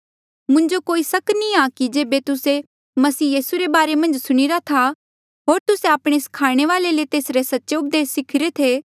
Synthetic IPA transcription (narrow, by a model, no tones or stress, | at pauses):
mʊ̃ɲd͡ʒokoːisɐknĩakid͡ʒeːbet̪ʊse | mɐsiːjiːsuɾebaːɾemɐ̃nd͡ʒsʊɽ̃iɾat̪ʰa | ɦoːɾt̪ʊseaːpɽ̃eskʰaːɽ̃eʋaːlelet̪eːsɾesɐtːʃeʊp̚d̪eːsːɪkʰɪɾet̪ʰeː